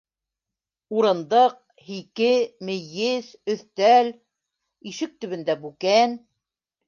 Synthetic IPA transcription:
uɾɤ̆nd̪ɤq̚ | hikɘmɘ̆jɘsɵ̆θt̪æl | iʃɘk̚t̪ɵ̆βɘ̆nd̪æbʉkæn

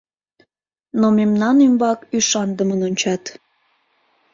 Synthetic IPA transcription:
nomemnɑnymbɑkyʃɑnd̪əmənonʲt͡ɕɑt̪

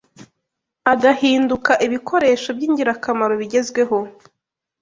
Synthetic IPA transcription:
aɡahiːndukaʔiβikʰo̞ɾe̞ːʃo̞bɟiːɲɟiɾakamaɾo̞βiɟe̞zɡwe̞ɦo̞

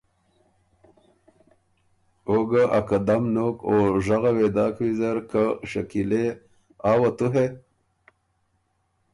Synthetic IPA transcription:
oɡaʔakad̪amnokoʐaɣawed̪ɑːkwizaɾkaʂakile | ɑːwat̪uɦe

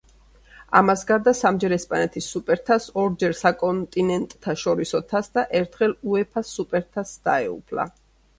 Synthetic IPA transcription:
a̰masɡaɾd̪asamd͡ʒɛɾɛspʼanɛt̪ʰisːupʼɛɾt̪ʰasɔɾd͡ʒɛɾsakʼɔnt̪ʼinɛnt̪ʼt̪ʰaʃɔɾisɔt̪ʰasd̪aʔɛɾt̪ʰχɛluɛpʰasːupʼɛɾt̪ʰasd̪̥a̰ɛṵpʰla̰

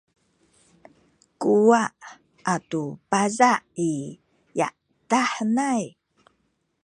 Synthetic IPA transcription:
kuwaʔ | atupazaʔi | ja̰ʔ | taħnaj

